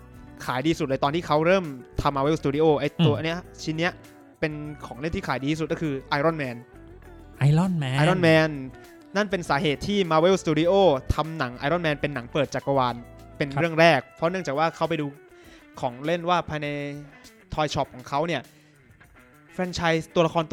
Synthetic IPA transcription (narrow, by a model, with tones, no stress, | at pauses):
kʰaː˩˦jdiː˧su˨˩t̪̚lːt̪ɔː˧nt̪iː˥˩kʰa˦˥wɾɤː˥˩mt̪ʰa˧mːaː˧we˦˥˨st̪uː˧di˧ʔoː˥˩ʔa˧jt̪u˧ɐʔa˧nːi˦˥t͡ɕʰi˧˥nːi˦˥ɐ | pe˧nkʰɔː˩˦ŋle˥˩nt̪iː˥˩aː˨˦diː˧iː˥su˨˩nɔ˥˩kʰɯː˧ʔaː˧jɾɔ˥˩nmɛː˧n | ʔa˧ɔ˥˩˨n˧a˧ɾɔ˥˩nmɛː˧nː | a˥˩npe˧nsaː˩˦ɦeː˨˩t̪ʰːiː˥˩maː˧we˦˥˨wst̪uː˧di˧ʔoː˥˩t̪ʰa˧mna˩˦ŋʔa̰˧ɾɔ˥˩nmɛː˧npe˧nːa˩˦ŋpəɤː˨˩t̪̚t͡ɕaː˨˩kːa˧waː˧npe˧nɾɯ˥˩əŋɾɛː˥˩k̚pʰɔ˦˥nɯ˥˩əŋt͡ɕaː˨˩k̚waː˥˩kʰa˦˥wp̬a˧jduː˧ | kʰɔː˩˦ŋle˥˩nwaː˥˩pʰaː˧jna˧j | t̪ʰɔː˧jt͡ɕʰɔ˦˥˩p̚kʰɔː˩˦ŋkʰa˦˥wni˥˩ɐ | fʰɾɛ˧nt͡ɕʰaː˧jt̪u˧ɐla˧kʰɔː˧nt̪